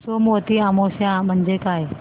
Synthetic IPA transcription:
somot̪iamosjãm̤əɳd͡ʑekaj

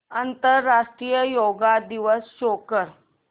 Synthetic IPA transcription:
ənt̪əɾːaʂʈɾijəjoɡad̪iʋəsɕokəɾ

